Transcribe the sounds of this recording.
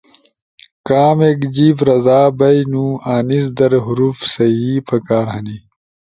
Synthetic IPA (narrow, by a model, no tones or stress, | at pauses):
kaːmeːkd͡ʑiːfɾɐzaːbɐjnũːaːnis̬d̪ɐɾɦuɾufsɐɦiːpɐkaːɾɦɐni